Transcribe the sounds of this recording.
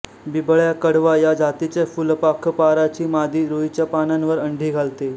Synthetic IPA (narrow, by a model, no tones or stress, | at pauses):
bibəɭjakəɽʋajad͡zat̪it͡ɕjafulpakʰpaɾat͡ɕiːmad̪ʱiːɾoit͡ɕjapananʋəɾəɳɖʱiːɡʱalt̪e